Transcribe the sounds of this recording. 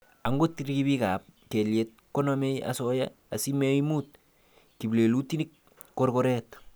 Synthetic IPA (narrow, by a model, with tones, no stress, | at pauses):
a˨ŋɡo˦tiɾki˦bi˦ka˨p̚ke˨ljet̚ko˦nome˦ja̰sɔja̰ | a˨sime˦imut̚ | ki˨ble˨lu˦ti˦nik̚ː | o˦ɾkoɾɛt